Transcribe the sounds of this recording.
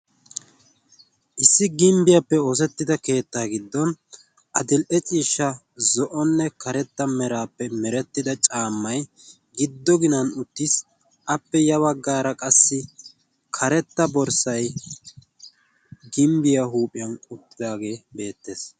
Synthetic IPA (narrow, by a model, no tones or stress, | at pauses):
ʔɪsːɪɡɪmbɪjɐpːɛos̬ɛt̪ːɪd̪ɐke̞ːt̪ːaːɡɪd̪ːɔn | ʔɐd̪ɪlʔɛt͡ʃʼiːʃːɐ | zɔʔɔnːɛkɐɾɛt̪ːɐmɛɾaːpːɛmɛɾɛt̪ːɪd̪ɐt͡ʃʼaːmːɐj | ɡɪd̪ːɔɡɪnɐnʊt̪ːɪs | ʔɐpːɛjɐβɐɡːaːɾɐkʼɐsːɪ | kʰɐɾɛt̪ːɐbɔɾsɐj | ɡɪmbɪjɐɦuːpʼɪjɐnʊt̪ːɪd̪aːɡe̞ːbe̞ːt̪ːe̞ːs